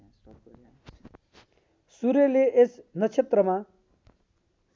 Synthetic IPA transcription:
suɾeleʔesnʌt͡sʰet̪rʌma

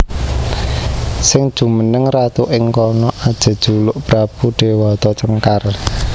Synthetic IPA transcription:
sɪŋd̥ʒ̥ṳmənəŋrat̪uʔɪŋkɔnɔʔad̥ʒ̥ə̤d̥ʒ̥ulʊʔb̥ɾab̥uɖ̥ewɔt̪ɔt͡ʃəŋkar

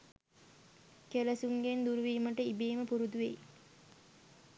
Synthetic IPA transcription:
keləsuŋɡend̪uɾuʋiːməʈəibeːməpuɾud̪uʋḛj

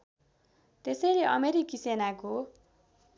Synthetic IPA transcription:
t̪esʌjleʔʌmeɾikisenako

